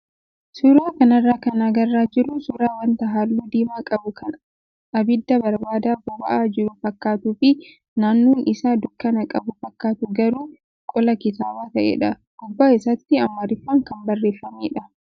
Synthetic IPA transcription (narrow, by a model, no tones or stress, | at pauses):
suːɾaːkɐnɐrːaːkɐnɐɡɐrːaːd͡ʒɪɾːʊsuːɾaːwɐnt̪ɐɦaːlːuːd̪iːmaːkʼɐbʊkʰɐn | ʔɐbɪd̪ːɐbɐɾbaːd̪aːbɔbɐʔaːd͡ʒɪɾʊfɐkːaːt̪uːfɪ | naːnːuːnʔɪsaːd̪ʊkːɐnɐkʼɐbʊfɐkːaːt̪ʊɡɐɾuː | kʼɔlɐkɪt̪aːbaːt̪ɐʔḛːᶑɐ | ɡ̥ʊbːaːɪsɐt̪ːɪɐmːɐɾɪfːaːŋkɐmbɐrːe̞ːfːɐmeːᶑɐ